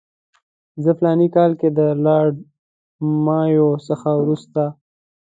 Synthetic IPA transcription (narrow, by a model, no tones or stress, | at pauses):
zəflɑnikɑlked̪əlɑɽ | mɑjosəxawɾust̪a